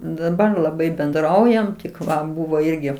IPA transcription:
dɐˈbɐr lˠɐˈbɐɪ bʲɛnˈdrɐʊjɛm tʲɪk ˈʋɐ ˈbʊʋoː ˈɪrʲɡʲɪ

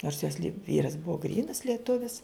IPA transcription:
noːrs joːs lʲɪ ˈʋʲiːrɐs ˈbʊʋoː ˈɡrʲiːnɐs lʲiɛˈtʊʋʲɪs

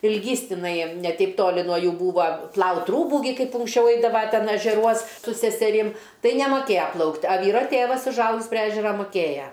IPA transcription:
ɪlʲˈɡʲiːs tʲɪˈnɐɪ nʲɛ ˈtʲɛɪp ˈtoːlʲɪ nuɔ ˈjuː ˈbuːʋɐ ˈplˠɐʊtʲ ˈruːbuː ɡʲɪ ˈkɐɪp ʊŋksʲˈt͡ʃʲɛʊ ˈɛɪdɐʋɐ ˈtʲɛn ɛʒʲɛˈruɔs sʊ sʲɛsʲɛˈrʲɪm ˈtɐɪ nʲɛmɐˈkʲeːjɛ ˈplˠɐʊktʲ ɐ ˈʋʲiːroː ˈtʲeːʋɐs ʊʒˈɐʊɡʲɪs pʲrʲɪ ˈæːʒʲɛrɐ mʊˈkʲeːjɛ

